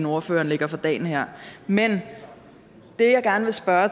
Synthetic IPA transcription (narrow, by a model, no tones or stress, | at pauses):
no̝ɐfø̰ːɐnle̝ɡ̥ɐfɒd̥ɛ̰ːn̩hæɐ̰men | d̥e̝jɑ̈ɪɡ̥æɐnəʋe̝sb̥ɶɐ